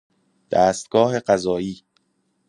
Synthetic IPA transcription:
d̪̥æːst̪̚ɡ̥ɒːɦe̞ɢæzɒːiː

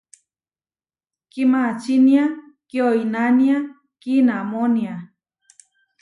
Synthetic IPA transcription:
kimat͡ʃinja | kioinania | kinamonia

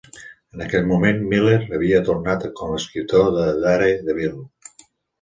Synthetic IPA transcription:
ənəkɛʎmumenmileɾəβ̞iət̪uɾnat̪koməskɾit̪oðəðaɾeðəβil

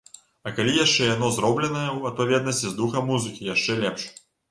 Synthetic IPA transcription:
ɐkalʲijaʂt͡ʂɛjanɔzɾɔblʲɛnɐjɛwɐt̪̚pavʲɛd̪̚nɐsʲt͡sʲizd̪uxɐmːuzɨkʲijaʂt͡ʂɛlʲɛpʂ

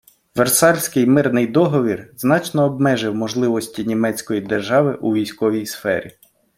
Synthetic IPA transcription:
ʋersɑlʲsʲkɪjmɪrnɪjd̪ɔɦɔʋʲirznɑt͡ʃnɔːbmɛʒɪwmɔʒlˠɪʋɔsʲtʲinʲimɛt͡sʲkɔjid̪erʒɑʋɪʔuʋʲijsʲkɔʋʲijsfɛ̰ɾʲḭ

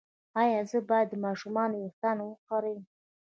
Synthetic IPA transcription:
ɑjɑzəbɑjad̪ːəmɑʃumɑnoext̪anowəqaɾejm

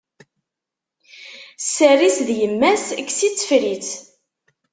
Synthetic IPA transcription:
sːærisðjəmːæsəkːsit͡sːə̥fɾit͡s

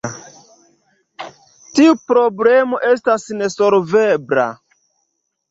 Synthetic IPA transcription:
tiupɾo̞blemo̞ʔe̞stasne̞soɾvebɾa̰

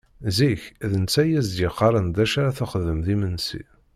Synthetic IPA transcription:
ziçðənt͡sːæjæzd̪jəqːɑɾˤənd̪æʃaɾaθæχəðəmðimənsḭ

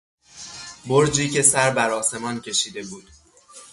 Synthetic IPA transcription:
boɾd͡ʒiːce̞sæɾbæɾɒːse̞mɒːncʰe̞ʃiːd̪e̞buːd̪̥

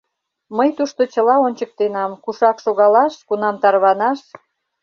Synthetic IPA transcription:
məjt̪uʃt̪ot͡ɕəlɑonʲt͡ɕək̚t̪enɑmkuʃɑkʃoɣɑlɑʃkunɑmt̪ɑrβɑnɑʃ

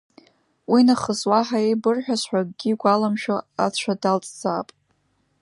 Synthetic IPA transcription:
winaχəzwaħaebɨrħᶣasħʷᶣaɡ̚ʼɡ̥ʲiɡʷalamʃᶣoa̰θt͡ʃʷʰadalt͡sʼd͡zaːpʼ

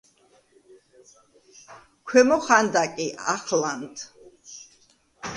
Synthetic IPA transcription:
kʰwɛmɔχand̪akʼiʔa̰χland̪

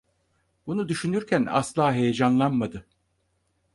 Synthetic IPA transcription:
bunud̪yʃynyɾcʰæna̰slˠaːɦejed͡ʒanlˠanmad̪ɯ

